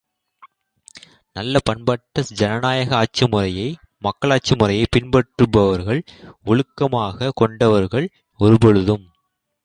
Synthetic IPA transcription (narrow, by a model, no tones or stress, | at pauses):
nɐlːɐpɐɳbɐʈːɐsd͡ʒɐnɐnaːjɐɣɐaːt͡ʃːɯmɯrɐjɐɪ | mɐkːɐɭaːt͡ʃːɯmɯrɐjɐɪpɪnbɐʈrɯbɐʋɐɾɣɐɭʊɻɯkːɐmaːɣɐkɔɳɖɐʋɐɾɣɐɭ | ɔɾɯbɔɻɯðɯm